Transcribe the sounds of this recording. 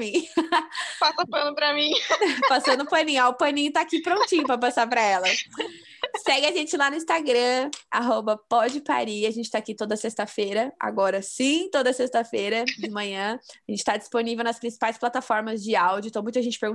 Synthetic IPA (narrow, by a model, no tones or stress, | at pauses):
ĩ | pasɐpɐ̃nʊpɾɐmĩpasɐ̃nd̪ʊpɐ̃nĩɲaʊpɐ̃nĩʊt̪aːkipɾõnt͡ʃĩɲʊpɾɐpasaɾpɾɐɛlɐ | sɛɡɪaʒẽt͡ʃɪlanʊĩst̪aɡɾɐ̃a̰ɦobɐpɔd͡ʒɪpa̰ɾiaʒẽnt͡ʃɪ̥t̪akit̪od̪ɐsest̪ɐfejɾɐa̰ɡɔɾɐsĩt̪od̪ɐsest̪ɐfejɾɐd͡ʒɪmɐ̃ɲɐ̃ʒẽnt͡ʃɪ̥t̪ad͡ʒi̥sponivewnɐspɾĩsi̥pajsplat̪afɔɾmɐzd͡ʒɪawd͡ʒʊĩt̪ɐ̃mũj̃t̪aʒẽnt͡ʃɪpeɾɡũ